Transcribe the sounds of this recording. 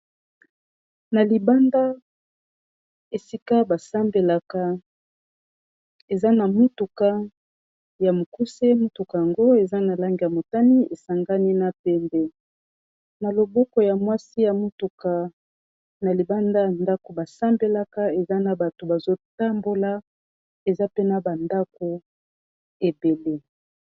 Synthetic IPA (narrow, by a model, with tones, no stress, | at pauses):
na˨li˨ba˦nda˦ | e˨si˦ka˦ba˨sa˦mbe˨la˨ka˦ | e˨za˦na˨mu˦tu˨ka˦ | ja˨mo˨ku˦se˦mu˦tu˨ka˨ja˨ŋɡo˦e˨za˦na˨la˦ŋɡi˨ja˨mo˨ta˦ni˦e˨sa˨ŋɡa˦ni˦na˨pɛ˦mbɛ˦ | na˨lo˨bɔ˦kɔ˨ja˨mwa˦si˦ja˨mu˦tu˨ka˨ | na˨li˨ba˦nda˦ja˨nda˦ko˨ba˨sa˦mbe˨la˦ka˦e˨za˦na˨ba˨to˨ba˨zo˦ta˦mbo˦la˦ | e˨za˦pe˦na˨ba˨nda˦k̚o˨ | e˨be˨le˦